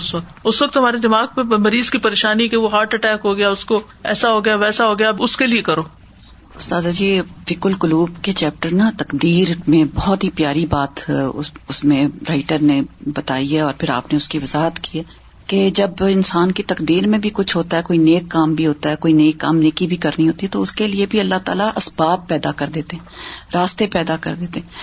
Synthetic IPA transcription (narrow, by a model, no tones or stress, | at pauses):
ʊsʋɐk̚t̪ʊsʋɐk̚t̪ɦɐmaːɾed̪ɪmaːɡ̚pẽmɐɾiːzkipɐɾeːʃaːnikeʋoɦaːɾʈɐʈɛːkɦoɡɐjaʊsko | ɛ̰ːsaɦoːɡɐjaʋɛːsaɦoːɡɐjaʊskeliekɐɾoː | ʊst̪aːzad͡ʒiːʋɪkʊlkʊluːbket͡ʃɛːp̚ʈəɾnat̪ɐkd̪iːɾmẽbɔɦɔt̪ɦipjaːɾibaːt̪ | ʊsmẽɾaːɪʈəɾnẽbɐt̪aːiɦɛɔːɾpʰɪɾa̰ːpneʊskiʋɐzaːɦət̪kiɦɛː | ked͡ʒɐbɪnsaːnkit̪ɐkd̪iːɾmẽbʱikʊt͡ʃʰɦoːt̪aɦɛkoːineːkːaːmbʱiɦoːt̪aɦɛkoːineːkːa̰ːmneːkibʱikɐɾniɦoːt̪iɦɛt̪oʊskeliebʱiɐlːaɦt̪a̰ːlaʔɐsbaːpːɛːd̪akɐɾd̪eːt̪eɦɛ̃ɾaːst̪epɛːd̪akɐ̰ɾd̪eːt̪eɦɛ̃ː